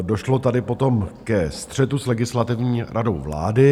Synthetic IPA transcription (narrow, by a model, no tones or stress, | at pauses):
do̞ʃlo̞t̪adɪpo̞t̪o̞mkɛst̪r̝̥ɛt̪uslɛɡɪslat̪ɪvɲiːɾʔado̞̰wvla̰ːdɪ